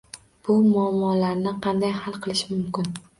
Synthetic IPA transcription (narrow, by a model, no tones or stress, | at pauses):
b̥ʊmʊamːɒlaɾnɪqʰɑnd̪ajhalˠqɨlˠɪʃɪmʊmkʲɪn